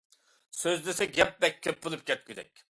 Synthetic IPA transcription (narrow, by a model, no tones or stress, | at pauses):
søzlesɛɡʲɛp̚bɛk̚ʲʰːøpbulˠɨp̚ɡʲɛt̪̚ɡʲyd̪ɛ̰k̚ʲ